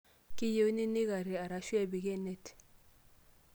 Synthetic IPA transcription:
ki˦je˦wni˦ni˦ɣa˨ɾi˨a˨ɾa˨ʃwɛ˦˨bi˨kɛ˦˨ne˦˨t

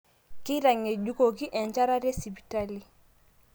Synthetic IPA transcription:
ki˦ɾa˨ŋːe˨ɟu˦ko˨ki˦ʔɛ˨ɲt͡ʃa˦ɾa˦ɾe˦si˨bi˨ta˦li˨

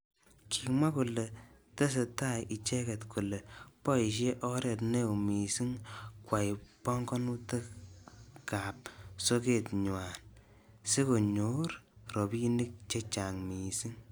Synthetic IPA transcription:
kʰi˨mwa˦ku˨le˨te˦s̬e˨ta˦jʔi˨t͡ʃɛ˦kɛ˨tkʰu˨le˨pɔ˦i˨ʃ̬e˦ʔɔ˦ɾɛ˨tne˦u˨mi˨si˦ŋkwa˨jpɔ˦ŋɡɔ˦nu˦te˦ | ka˨p̚so˦ke˨tɲ˨wa˨n | se˦ko˨ɲo˦ɾrɔ˨pi˦ni˦k̚t͡ʃe˦t͡ʃa˨ŋmi˨si˦ŋ

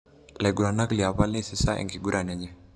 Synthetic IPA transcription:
la˨jɡu˨ɾa˨na˦kli˨a˨βa˦le˦si˦sa˦ʔḛŋɡi˨ɡu˦ɾa˨na˨ɲɛ˦

